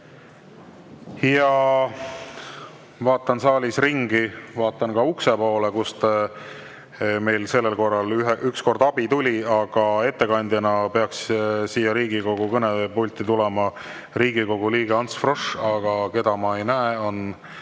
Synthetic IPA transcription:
jɑ | vɑːt̪ːˑɑnsɑːlʲisriŋɡivɑːt̪ːˑɑnkɑuksepo̞ːlekust̪ | me̞jlse̞lːelko̞rːɑlyɦʔyksko̞rd̪ɑb̥it̪ulʲiɑɡ̥ɑe̞t̪ːe̞kɑnʲd̪jɑnɑpe̞ɑkssiːjːɑɾiːɡiko̞ɡ̥ukɤnepulʲt̪ːit̪ulɛmɑ | riːɡiko̞ɡ̥uliːɡeɑnt̪sfro̞ʂɑɡ̥ɑke̞d̪̥ɑmɑe̞jnæeo̞n

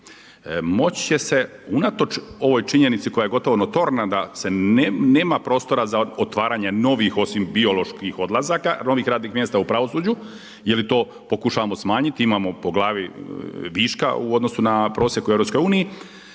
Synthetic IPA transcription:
mo̞t͡ɕt͡ɕe̞se̞unat̪o̞t͡ʃo̞ʋo̞jt͡ʃiɲe̞nit̪siko̞jaje̞ɡo̞t̪o̞ʋo̞not̪o̞ɾnad̪ase̞ne̞ːmapɾo̞ːst̪o̞ɾazaot̪ʋaːɾaɲe̞no̞ʋixo̞simbio̞lo̞ʃkixo̞d̪lˠazakano̞ʋixɾaːd̪nixmjest̪aupɾaʋo̞suːd͡ʑu | jelit̪o̞ː | po̞kuʃaʋamo̞smaːɲit̪iimamo̞po̞ɡlˠaːʋiʋiːʃka̰ṵo̞d̪no̞sunapɾo̞ːsjekueʋɾo̞psko̞juːniji

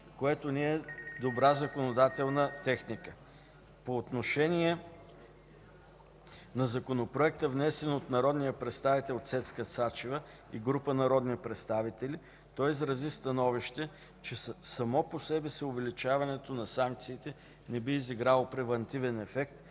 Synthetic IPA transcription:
koɛt̪oniɛd̪obɾazɐkonod̪at̪ɛlˠnət̪ɛxnikə | poːt̪noʃɛnʲiɛ | nɐzɐkonopɾoɛk̚t̪əvnɛsɛnot̪nɐɾɔd̪nijəpɾɛt̪st̪avit̪ɛlˠot̪sɛt̪skəsat͡ʃivə | ḭɡɾupənɐɾɔd̪nipɾɛt̪st̪avit̪ɛli | t̪ɔizɾɐzist̪ɐnɔviʃt̪ɛ | t͡ʃɛsɐmɔposɛbɛsɛovɛlit͡ʃavɐnɛt̪onɐsaŋk̚t̪siːt̪ɛ | nɛbiːziɡɾalˠopɾɛvɐnt̪ivɛnɛfɛkt̪

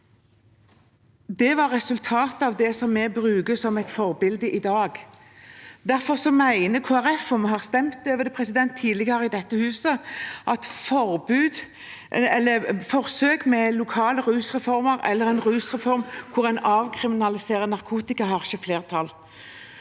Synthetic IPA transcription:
d̪ɛʋɑɾːɛsʉlt̪ʰɑːt̪ɑʋd̪ɛsɔmːɛbɾʉːɡəsɔmɛt̪fɔʁbɪld̪əʔɪd̪ɑːɡ | d̪æʁfɔʁsɔmæɪnəkʰoːæɾɛfɔmɦɑʁst̪ɛmt̪øːʋəd̪ɛpʰʁɛsɪd̪ɛnt̪ʰːiːd̪lɪɡəɾəɪd̪ɛt̪ːəhʉːsəʔɑt̪fɔʁbʉːd̪ | ɛlːəfɔʁsøːkmɛlʊkʰɑːləɾʉːsʁɛfɔʁməɾɛ̰lːəʁɛnʁʉːsʁɛfɔʁmkʰʊʁæɛnɑʋkʰɾɪmɪnɑlɪseːʁənɑʁkʰuːt̪ɪkɑɦɑʁʃəfleːʁt̪ʰɑl

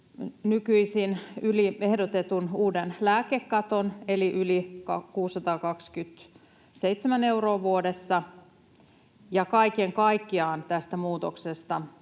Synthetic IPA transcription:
nykyisinylie̞hdot̪et̪unuːdenlæːkekːɑt̪oneliʔylikɑkuːsːɑt̪ɑːkɑkskyt̪ | seit̪semæne̞uɾoːʋuodesːɑ | jɑkɑikeŋkɑikːiɑːnt̪æst̪æmuːt̪oksest̪ɑ

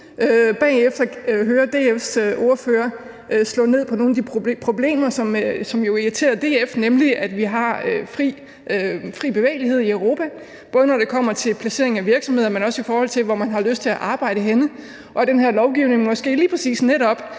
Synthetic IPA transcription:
øb̥ɛ̰ːefd̥ɐɦøːɐd̥e̝̰ːefsʔo̝ɐføːɐ | ʔslɔ̰ːne̝ð̞̰ˠpʰɒ̽no̝ːn̩æd̥ipʰpʰʁo̝b̥le̝̰ːmɐsɒ̽msɒ̽mjo̝iʁit͡sʰe̝̰ːɐd̥e̝ːefnemliʔæd̥ʋiɦɑ̈øfʁiː | fʁḭːb̥e̝ʋḛɪlihe̝ð̞̰ˠiœʊʁo̝ːpʰæ | b̥ɔ̽ːð̞ənɒɾ̥e̝kʰɒ̽m̰ɐt͡sʰe̝lpʰlæse̝ɐeŋ̩æʋiɐɡ̥sɒ̽mheðˠɐmenɒ̽səifɒːhɒ̽l̰t͡sʰe̝lʋɒmænɦɑ̈løsd̥̚t͡sʰe̝æʔɑ̈ːb̥ɑ̈ɪ̰ɾ̥əɦenə | ʔɒ̽d̥enɦæɐ̰lɒʊɡ̥iʊ̰ne̝ŋmɒ̽sɡ̥e̝̰ːliːpʰʁɛsḭːsneɾɒ̽b̥

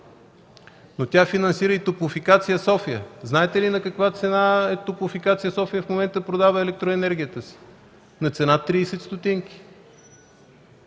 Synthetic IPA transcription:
not̪ʲafinɐnsiɾəit̪opofikat̪sijəsɔfijə̰znaɛt̪ɛlinɐkɐkvat̪sɛnaɛt̪opofikat̪sijəsɔfijəfmomɛnt̪əpɾod̪avəɛlɛk̚t̪ɾoɛnɛɾɡ̟ʲijət̪əsi̥ | nɐt̪sɛnat̪ːɾiːsɛt̪st̪ot̪iŋkʲi̥

